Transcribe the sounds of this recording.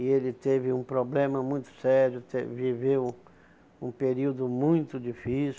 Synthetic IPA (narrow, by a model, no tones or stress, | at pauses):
ielɪt̪evɪũpɾoblẽmɐmũj̃t̪ʊ̥sɛɾjʊt̪evivew | ũpeɾiwd̪ʊmũj̃t̪ʊd͡ʒifis